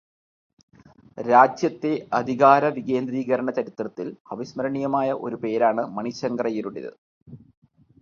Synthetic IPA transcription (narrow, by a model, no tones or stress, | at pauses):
ɾaːd͡ʑjɐt̪ːe̞ɐd̪ʱiɣaːɾɐʋiɣe̞ːnd̪ɾiːɣɐɾɐɳɐt͡ɕɐɾit̪ːrɐt̪ːilɐʋɐɕmɐɾɐɳijɐmaːjɐʔo̞̰ɾupe̞ːɾaːɳɨmɐɳiɕɐŋɡɐrɐjiɾuɽḛðɨ̰